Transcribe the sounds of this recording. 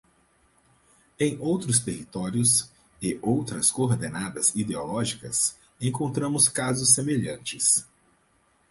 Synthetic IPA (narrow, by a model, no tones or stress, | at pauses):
ẽj̃owt̪ɾʊst̪ehit̪ɔɾjʊs | ɪʔowt̪ɾɐskoɾd̪enad̪ɐzid̪eolɔʒikɐ̰s | ẽj̃kõnt̪ɾɐ̃mʊskazʊsːemeʎɐ̃nt͡ʃɪs